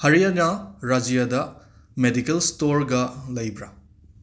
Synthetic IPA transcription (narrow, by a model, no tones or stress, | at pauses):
hɐɾijɐnɐɾad͡ʒijadɐ | medikelstoɾɡɐlɐjbɾɐ